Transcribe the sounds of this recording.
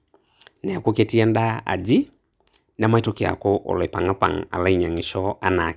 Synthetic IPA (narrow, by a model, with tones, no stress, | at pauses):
nɛ˨a˨ko˦ke˦ti˦ɛ˦nda˦a̰˨d͡ʒi˦ | na˦ma˦i˦to˦ke˨a̰˨ko˦ʔo̰˨lɛ˨pa˨ŋa˦pa̰˨ŋa̰˨la˦i˦˨ɲa˨ŋi˨ʃɔ˦a˦na˨